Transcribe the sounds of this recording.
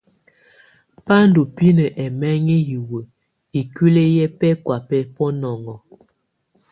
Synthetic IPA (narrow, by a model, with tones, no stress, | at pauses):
pa˦ndo˨pi˦nə˨ʔɛ˨mɛ˦ŋi˦ji˨wə˨ | i˨ki˦le˦jɛ˦pɛ˦kwa˨pɛ˦pɔ˦nɔ˨ŋɔ˨